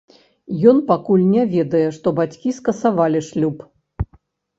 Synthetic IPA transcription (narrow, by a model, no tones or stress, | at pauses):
jɔnpakulʲnʲɛvʲɛd̪ɐjɛʂt̪ɔbat͡sʲkʲiskɐsavalʲiʂlʲup